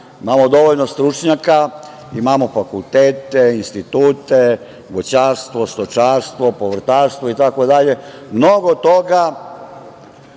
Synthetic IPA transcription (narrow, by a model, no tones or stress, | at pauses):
imamod̪o̞ʋoʎnost̪ɾut͡ʃɲaka | imamo̞fakulˠt̪eːt̪einst̪it̪uːt̪e | ɡot͡ɕaːɾst̪ʋost̪ot͡ʃaːɾst̪ʋo̞poʋr̩t̪aːɾst̪ʋoit̪ako̞d̪aʎe̞mnoɡot̪oɡa